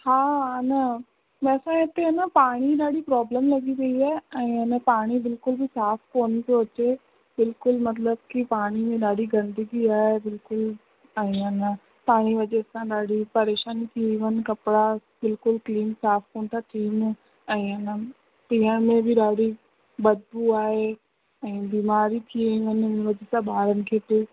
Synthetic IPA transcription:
hãːnaː | mɛːsãːɪt̪ːenãːpaːɽ̃iːɾaːɽiːpɾɔːbləmləɡiːɾəiːɛːəĩanãːpaːɽ̃iːbɪlkʊlbiːsaːpʰkoːnt̪eʊt͡ʃeː | bɪlkʊlmət̪̬ləbkɪpaːɽ̃iːmẽːɾaːɽiːɡə̃nd̪əɡiːaːɛbɪlkʊl | aĩːãːnãː | paːɽ̃iʋɐʄesãɗaːɽipɐɾeːʃaːnit̪ʰiĩʋənɪ̆kɐpɪɽa | bɪlkʊlkliːmsaːfkoːnt̪ʰat̪ʰiːn | ɛ̃ːɪnə | piːəɽ̃mẽbʱɪɗaːɽi | bɐd̪buaːɦe | ɛ̃ːbiːmaːɾit̪ʰieʋənnʋɐd͡ʑesãɓʱaːɾənɪ̆kʰeːt̪o

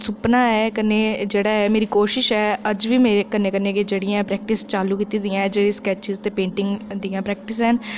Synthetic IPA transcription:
sʊpnãːɛːkəneːd͡ʒeːɽaːɦɛːmeːɾiːkoːʃɪʃɛːəd͡ʒʋiːmeːekəneːkəneːked͡ʒeːɽɪãɛ̃ːpɾɛːk̚ʈɪst͡ʃaːluːkiːt̪iːd̪ɪjãːɛ̃d͡ʒeːɽiːskɛːt͡ʃɪzt̪eːpẽːɳʈɪ̃ŋɡd̪ijãːpɾɛːk̚ʈɪsɦɛn

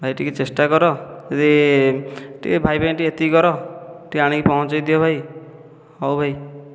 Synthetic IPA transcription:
bʱajʈikit͡ʃesʈakɔɾɔet̪i | ʈḭbʱajbajʈiet̪iɡɔɾɔʈiaɽ̃ĩkipɔɦɔ̃t͡ʃɔjd̪ijɔbʱaj | ɔwbʱaj

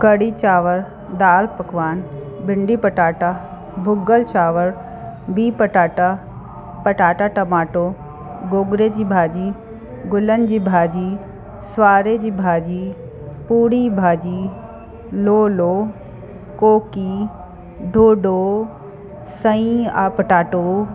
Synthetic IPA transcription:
kəɽit͡ɕaːʋəɾ | d̪aːlpɐkʋaːn | bɪɳɖipəʈaːʈa | bʱʊɡəlt͡ɕaːʋəɾ | biːpəʈaːʈa | pɐʈaːʈaʈɐmaːʈoː | ɡoːɡɾed͡ʑiːbʱaːd͡ʑiː | ɡʊlənd͡ʒiːbʱaːd͡ʒi | swaːɾed͡ʒiːbʱaːd͡ʒiː | puːɽibʱaːd͡ʒi | loːloː | koːki | ɖʱoːɖoː | sə̃ĩa̰ːpəʈaːʈoː

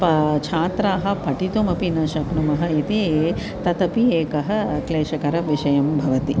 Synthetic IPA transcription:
pɐt͡ʃʰaːt̪ɾaːɦɐ̆pɐʈit̪umɐpinɐʃɐknumɐɦɐ̆it̪ie | t̪ɐt̪ɐpieːkɐɦɐ̆kleːʃɐkɐɾɐʋiʃɐjɐmbʱɐʋɐt̪i

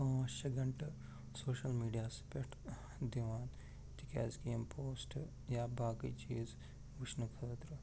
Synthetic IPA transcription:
oɐʃɐɡɐɳʈɐ | soːʃɐlmiːɖijaːspeʈ | d̪iʋaːn | t̪ika̰ːzkiimpʰoːsʈ | jaːbaːkḭt͡ʃiːz | ʋuʃnɐkʰɐt̪ɾu

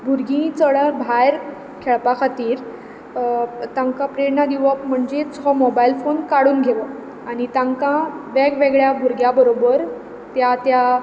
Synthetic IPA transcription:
bʱuɾɡĩt͡səɭəbʱajɾ | kʰeɭpakʰat̪iːɾ | t̪ãŋkapɾeɽnad̪iʋəpm̤əɳd͡ʑet͡sɔmɔbajilfonkaɽuːnɡʱeʋə | aɽ̃it̪ãŋkãʋeɡʋeɡɭjabʱuɾɡjabəɾobəɾ | t̪jat̪ja

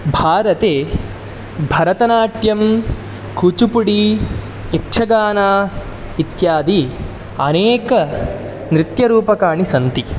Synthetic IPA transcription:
bʱaːɾɐt̪eː | bʱɐɾɐt̪ɐnaːʈjɐm | kut͡ʃupuɽi | ekʂʰɐɡaːnaː | it̪jaːd̪i | ɐneːkɐ | nɾit̪jɐɾuːpɐkaːɳisɐnt̪i

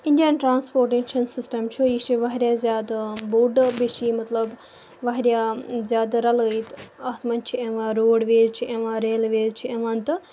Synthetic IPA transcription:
iɳɖijɐnʈɾaːnspoːɾʈenʃɐnsisʈɐmt͡ʃʰuiʃt͡ʃiʋɐɦɐɾjaːzʲaːd̪buːɖbiʃimɐt̪lɐb | ʋɐɦɾjaːzʲaːd̪ɾɐlɐit̪ɐt̪ʰmɐnt͡ʃʰieʋaːɾoːɖʋeːzt͡ʃʰiʔeʋaːɾeːlʋeːzt͡ʃʰiemɐnt̪

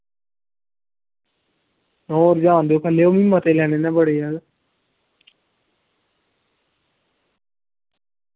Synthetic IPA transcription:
nɔ̃ːɾd͡ʒãːnd̪eoːpʰəlːeːoːmĩmːət̪eːlɛːneːnɛ̃ːbəɽeːaː

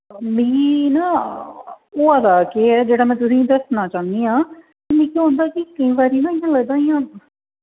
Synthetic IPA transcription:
mĩːnaː | oːəd̪aːkeːɛːd͡ʒeːɽaːmɛ̃ːt̪ʊsĩːd̪əsnaːt͡ʃãːnd̪iːɦãː | t̪emĩːkiɦõːnd̪aːkikəĩːbaːɾiːnãːɪjãːləɡd̪ãːɪjãː

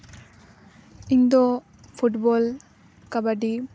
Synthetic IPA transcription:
iɲd̪ɔ | pʰuʈbɔl | kabaɖi

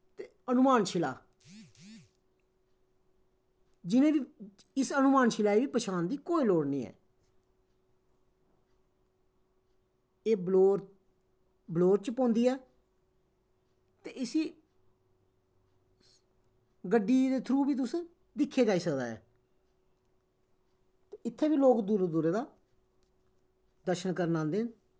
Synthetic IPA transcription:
t̪eːənʊmaːnʃʰɪla̰ː | d͡ʒɪnẽːʋiː | ɪsənʊmaːnʃɪlaːiːʋiːpəʃaːnd̪iːkoːiloːɽniːɛ̰ː | eːbloːɾ | bloːɾt͡ʃpõːnd̪iːɛː | t̪eːɪsiː | ɡəɖːiːd̪eːt̪ʰɾuːbiːt̪̬ʊs | d̪ɪkʰːeːd͡ʒaːiːsəkd̪a̰ːɛ̰ː | t̪eɪt̪ʰːeːbiːloːkd̪uːɾed̪uːɾeːd̪aː | d̪əɾʃənkəɾnãːnd̪eːn

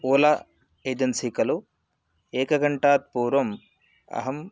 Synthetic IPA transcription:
oːla | eːd͡ʒɐnsikɐlu | eːkɐɡɐɳʈaːt̪̚puːɾʋɐm | ɐ̰ɦɐm

